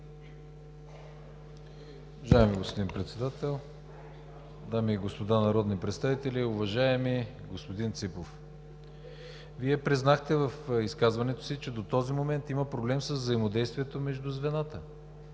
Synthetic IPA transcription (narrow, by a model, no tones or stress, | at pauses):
ʊvɐʒaɛmiɡospod̪inpɾɛt̪sɛd̪at̪ɛlˠ | d̪amiːɡospod̪anɐɾɔd̪nipɾɛt̪st̪avit̪ɛlʲiʊvɐʒaɛmi | ɡospod̪int̪sipof | viɛpɾiznaxt̪ɛvəfiskazvɐnɛt̪o̥sit͡ʃɛd̪ot̪ɔzimomɛnt̪iməpɾoblɛmsəzːɐimod̪ɛjst̪vʲiɛt̪omɛʒd̪ʊzvɛnat̪ə